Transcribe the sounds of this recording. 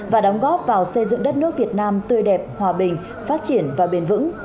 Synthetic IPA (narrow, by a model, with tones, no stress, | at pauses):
vaː˨˩ɗɔ˨˦wŋ͡mɣɔ˦˥p̚vaː˨˩wsə˧jzɨ̰˧˨ŋɗə˦˥t̚nɨ˦˥ək̚vi˨˩ət̚naː˧mt̪ɨ˧əjɗɛ˨˩p̚hwaː˨˩ɓï˨˩ŋ̟ | faː˦˥t̚t͡ɕi˧˩ənvaː˨˩ɓe˧˩nvɨ̰˧˥ŋ